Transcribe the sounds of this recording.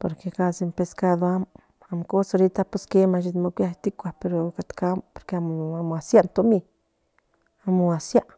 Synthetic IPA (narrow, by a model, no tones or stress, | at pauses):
po̰ɾkekazempeskaðoam | amkosoɾit̪apuskemaʃ̬it̪mokʷjaht̪ikʷapeɾokat̪kampoɾkeamamoasjant̪omi | amuasjaʔ